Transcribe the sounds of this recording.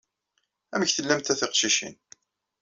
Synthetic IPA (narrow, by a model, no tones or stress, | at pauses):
æməçθəlːæmt̪æθɪqʃiʃḭn